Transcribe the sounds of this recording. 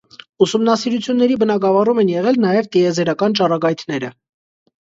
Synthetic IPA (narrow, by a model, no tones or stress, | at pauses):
usumnɑsiɾut͡sʰjunːɛɾibənɑɡɑvɑrumɛnjɛʁɛlnɑjɛvt̪iɛzɛɾɑkɑnt͡ʃɑrɑɡɑjt̪ʰnɛɾə